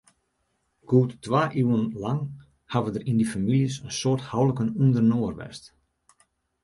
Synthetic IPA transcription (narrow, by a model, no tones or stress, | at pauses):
ɡ̥uːtːʋaːʔyːənlɑŋ | havədərindifamiljəsənsoərthawləkənundərnoərʋɛ̰st